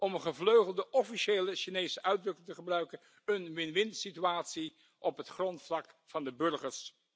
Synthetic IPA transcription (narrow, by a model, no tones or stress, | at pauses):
ʔɔməχəvløɥχəlˠdəʔɔfiʃeːləʃinejsəʔœɥdrɵkɪtəχəbrœɥkən | ənʋɪnʋɪntsityaːtsi | ʔɔpɦətχrɔntflɑkfɑndəbɵɹχəɹs